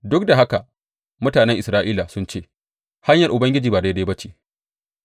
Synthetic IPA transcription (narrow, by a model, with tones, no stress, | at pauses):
dʊ˦k̚da˨ɦa˦ka˨ | mʊ˦taː˨nɛ˦ŋʔɪ˨sɾaː˦ʔiː˦la˨sʊ˦nt͡ʃeː˦˨ | ha˦ɲjɐ˨rʔʊ˨bɐ˦ŋɡʲɪ˦d͡ʒiː˨ba˨da˦da˦jbɐ˦t͡ʃeː˨